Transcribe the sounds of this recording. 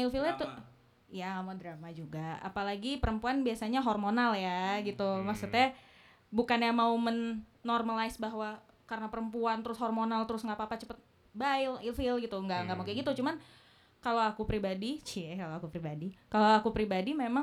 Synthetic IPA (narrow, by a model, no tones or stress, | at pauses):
ilfilat̪u | ijaŋamodɾamad͡ʒuɡaa̰palaɡipəɾəmpuanbiasaɲaɦormonaljaɡit̪umaksut̪ja | bukanjaŋmaumənːɔrmalaɪsbaɦwa | karənapəɾəmpuant̪əɾʊsɦɔrmonalt̪əɾʊsŋɡapaːpat͡ʃəpət̪̚ | baɪlilfɪlɡit̪uŋɡaŋɡaʔmukɛɡit̪ut͡ʃuman | kaloakupɾibadit͡ʃikaloakupɾibadikaloakupɾibadimema